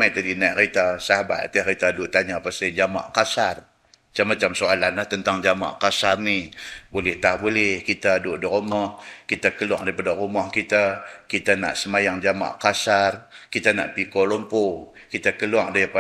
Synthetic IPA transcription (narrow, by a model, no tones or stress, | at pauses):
majt̪adinaʔrit̪asaɦaba̰t̪t̪əhrit̪aduʔt̪aɲapasad͡ʒama̰ʔkasar | t͡ʃamːat͡ʃamsoalanaht̪ənt̪aŋd͡ʒama̰ʔkasanibolɪht̪ahbolɛhkit̪adoʔdiɾomɔhkit̪akəlua̰ŋdaipadarumɔhkit̪akit̪ana̰ʔsəmajaŋd͡ʒama̰ʔkasarkit̪ana̰ʔpikɔlompo | kit̪akəluaŋdapa